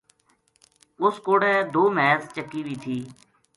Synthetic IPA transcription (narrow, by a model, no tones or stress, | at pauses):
ʊskoːɽɛ̃ːd̪oːmɛːzt͡ʃəkːiːʋiːt̪ʰiː